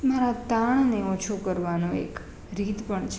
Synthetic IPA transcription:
maɾat̪aɳneɔt͡ʃʰokəɾʋanõḛk | ɾit̪pəɳt͡ʃʰ

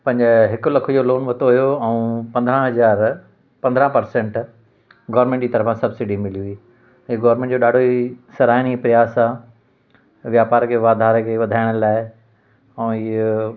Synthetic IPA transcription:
pɐ̃ɦɲd͡ʑɪɦɪkʊlɐkʰojoloːnʋɐt̪ʰoɦʊjoɛũpɐ̃nd̪ɾãɦɐd͡ʑaːɾ | pɐ̃nd̪ɾãpɐɾsẽɳʈ | ɡɔːʋəɾmẽɳʈd͡ʑiːt̪ɐɾəfãsɐbsɪɖimɪliʊiː | iɡɔːʋəɾmẽːɳʈ̚d͡ʑoːɗaːɖʱoisɐɾaːɪnipɾijaːsa | ʋjaːpaːɾkʰeːʋaːd̪ʱaːɾkʰeːʋɐd̪ʱaːɪɽ̃əlaːɪ | ɛ̃i

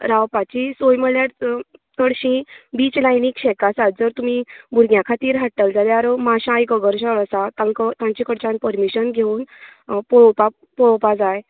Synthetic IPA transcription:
ɾawpat͡ɕisojməɭjaʈt̪əɽɕĩbiːt͡ɕlajnikɕɛkasat̪d͡zəɾt̪um̤ibʱuɾɡjãkʰat̪iːɾɦaʈːəld͡zalaɾmaɕãjkəɡəɾɕəɭəsat̪ãnkət̪ãɲt͡ɕikəɽt͡ɕãnpəɾmiɕənɡʱeunpopa | pɔɭpad͡zaje

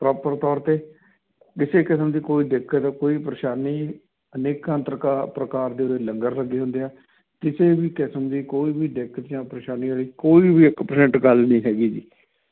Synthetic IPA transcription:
pɾaːpəɾt̪ɔːɾt̪eː | kɪseːkɪsəmd̪iːkoːiːd̪ɪkʰət̪ːkoːiːp̬əɾeːʃaːniː | əneːkːãːnt̪ɾəkaːpɾəkaːɾd̪eːʊɾeːləŋɡəɾləɡeːɦʊ̃nd̪eːɛː | kɪseːbiːkɪsəmd̪iːkoːiːbiːd̪ɪkʰət̪d͡ʒãːpɾeːʃaːniːaːɭiːkoːiːbiːɪkpəɾsɛ̃ɳʈɡəlnĩːɦɛːɡiːd͡ʒḭː

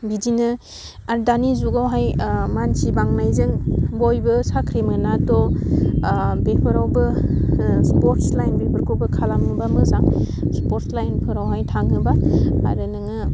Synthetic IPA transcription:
bidinɯ | aɾdanizuɡawɦajmansibaŋnajzɯŋbojbɯsakʰɾemɯnatɔ | bepʰɯɾawbɯ | spoɾtslajnbepʰɯɾkʰobɯkʰalamhɯbamɯzaŋ | spoɾslajnpʰɯɾawɦajtʰaŋhɯbaa̰ɾɯnɯŋɯ

